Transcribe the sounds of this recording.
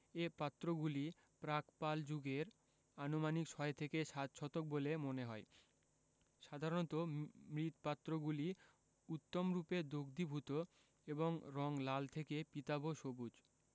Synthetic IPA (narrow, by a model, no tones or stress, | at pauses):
epat̪ːɾoɡuli | pɾakpald͡ʑuɡeɾ | anomanikʃɔet̪ʰekeʃat̪ʃʰɔt̪ok̚bolemoneɦɔe | ʃad̪ʱaɾont̪omɾit̪pat̪ːɾoɡuli | ut̪ːomɾuped̪oɡd̪ibʱut̪o | eboŋɾɔŋlalt̪ʰekepit̪aboʃobud͡ʑ